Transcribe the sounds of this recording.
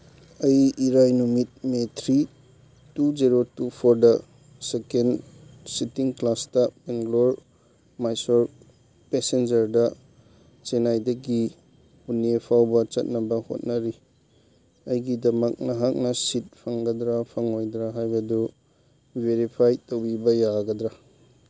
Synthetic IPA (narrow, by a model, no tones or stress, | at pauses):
ɐjiɾajnumit̚metʰɾi | tud͡ʒiɾotupʰoɾdɐ | sekensitiŋklastɐpeŋɡloɾ | majsoɾ | pesend͡ʒɐɾdɐ | t͡ʃenajdɐɡi | punepʰawbɐt͡ʃɐ̰t̚nɐbɐho̰t̚nɐɾi | ɐjɡidɐmɐk̚nɐɦak̚nɐsit̚pʰɐŋɡɐdɾapʰɐŋojd̪ɾaɦajbɐdu | eɾipʰajtɐwbibɐjaɡɐd̪ɾa